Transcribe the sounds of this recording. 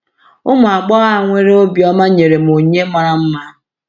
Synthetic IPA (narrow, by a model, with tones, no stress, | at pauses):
ʊ˦mʊ˨a˨ɡ͡bɔ˦ɣa˦˨ŋʷe˦ɾe˦o˦bjɔ˦ma˦ɲe˨ɾe˨m˨o˨ɲe˦ma˦ɾa˦m̩˦ma˦